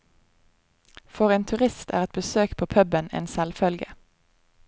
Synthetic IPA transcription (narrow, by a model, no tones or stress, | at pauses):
fɔʁeːnt̪ʰʉʁɪst̪ʰæ̰ːʁɛt̪̚bəsøːkpʰoːpʰœbənḛːnsɛlfœlɡə